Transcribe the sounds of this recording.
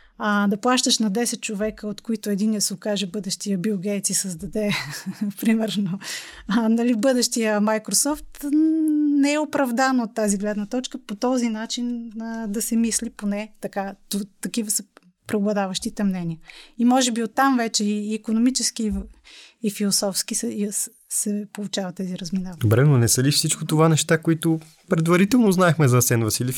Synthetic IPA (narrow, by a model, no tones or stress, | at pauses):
əd̪ɐplˠaʃt̪əʃnɐd̪ɛsɛt̪̚t͡ʃovɛkəot̪koit̪ʊɛd̪inːɛsokaʒɛbɤd̪ɛʃt̪ijəbioɡɛjt̪sisəzd̪ɐd̪ɛpɾimɛɾno | nɐlibɤd̪ɛʃt̪ijəmajkɾosɔft̪ | nɛɛopɾɐvd̪anɐot̪ːaziɡlɛd̪nɐt̪ɔt͡ʃkəpot̪ɔzinat͡ʃinəd̪ɐsɛmisliponɛt̪ɐkat̪ot̪ɐkivəsə | pɾɛoblˠɐd̪avəʃt̪it̪ɛmnɛniəimɔʒɛbiot̪ːamvɛt͡ʃɛiːkonomit͡ʃɛskiː | filˠosɔfskisjs | sɛpolˠut͡ʃavɐt̪t̪ːɛziɾɐzminavd̪obɾɛnonɛsəlifsit͡ʃkot̪ovanɛʃt̪akoit̪o | pɾɛd̪vɐɾit̪ɛlˠnoznaɛxmɛzɐsɛnvɐsilʲif